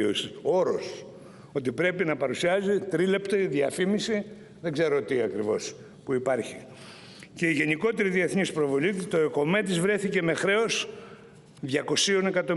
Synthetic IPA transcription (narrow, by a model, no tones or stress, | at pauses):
osio̞ɾo̞s | o̞t̪̬ipɾe̞pinɐpɐɾusiɐzit̪ɾile̞pt̪oiðiɐfimisi | ðe̞ɡze̞ɾo̞t̪iɐkɾivo̞s | puipɐɾçi | ce̞iʝe̞niko̞t̪e̞ɾiðie̞θnispɾo̞vo̞lit̪oko̞met̪izvɾe̞θice̞me̞xɾe̞o̞s | ðʝɐko̞sio̞ne̞kɐt̪o̞